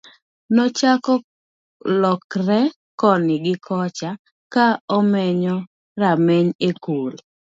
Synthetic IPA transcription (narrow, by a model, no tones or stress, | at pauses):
nɔt͡ʃakɔ | lɔkɾɛ | kɔnɪɡɪkʰɔt͡ʃa | kaɔmɛɲɔ | ɾamɛɲekol